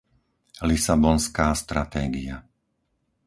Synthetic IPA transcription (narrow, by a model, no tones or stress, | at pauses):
lisabɔnskaːst̪ɾat̪ɛːɡḭa